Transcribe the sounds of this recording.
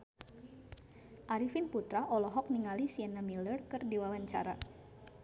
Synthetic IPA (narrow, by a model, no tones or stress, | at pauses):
ʔaɾifinput̪ɾaʔɔlɔɦɔk̚niŋalisiɛnamilərkɨrdiwawaɲt͡ʃa̰ɾa̰